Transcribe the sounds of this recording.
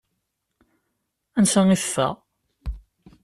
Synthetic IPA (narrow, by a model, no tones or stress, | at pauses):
ænsæŋiθə̥fːæ̰ʁ